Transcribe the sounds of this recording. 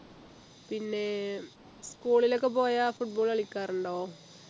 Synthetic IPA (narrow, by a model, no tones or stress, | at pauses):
pinːe̞ | skuːɭilo̞kːepo̞ːjaːfuʈ̚boːɭɐɭikʲːaːɾuɳɖoː